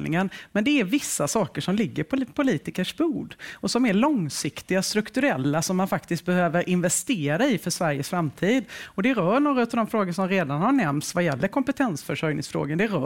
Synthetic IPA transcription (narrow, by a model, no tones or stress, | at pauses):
lɪ̰ŋənmɛnd̪ɛæɾvɪsːasɑːkəʂɔmlɪɡːəɾpʰɔpʰʊliːt̪ɪkəʂbuːd̪ɔsɔmæɭɔŋsɪkt̪ɪɡast̪ɾɵkt̪ɵɾɛlːasɔmːanfakt̪ɪskt̪̚bɛhøːvəɾʔɪnvɛst̪eːɾaɪfœʂvæɾjəsfɾamt̪ʰiːd̪ɔd̪ɛɾœːɳoːɾaʉ̟t̪avd̪ɔmfɾoːɡəʂɔmɾeːd̪anhaɳɛmt̪svajɛlːəɾkʰɔmpɛt̪ʰɛnsfœʂœjnɪŋsfɾo̰ːɡənd̪ɛɾː